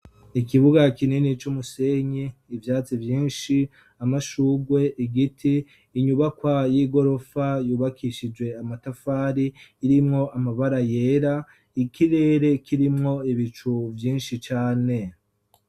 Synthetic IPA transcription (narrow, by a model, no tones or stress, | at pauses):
ikiβuɡakininit͡ʃumuse̞ɲiːvjaːt͡sivjiːnʃi | amaʃuːɡwe̞ʔiɡitʰiː | ɲuβakwajiɡo̞ɾo̞fajuːβakʰiʃid͡ʒwe̞amatafaːɾiːɾimŋo̞ʔamaβaɾaje̞ːɾa | ikiɾe̞ːɾe̞kiɾimŋo̞iβit͡ʃuvjiːnʃit͡ʃaːne̞